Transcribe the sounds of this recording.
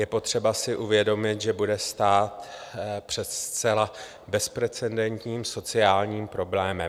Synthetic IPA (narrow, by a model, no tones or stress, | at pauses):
jɛpo̞t̪r̝̥ɛbasɪʔuvjɛdo̞mɪt̪ʒɛbudɛst̪aːt̪pr̝̥ɛt̪st͡sɛla | bɛspɾɛt͡sɛndɛnt̪ɲiːmso̞t͡sɪaːlɲiːmpɾo̞blɛːmɛm